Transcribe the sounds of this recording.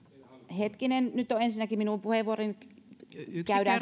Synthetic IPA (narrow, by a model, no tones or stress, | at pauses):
het̪kinennyt̪ːoensinːækiminumpuheʋːuorin | kæydæː